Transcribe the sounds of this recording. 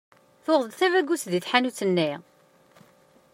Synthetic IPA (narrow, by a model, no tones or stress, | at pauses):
θoʁˤðˤəd̪θævæɡːusðiθħanut͡sːənːi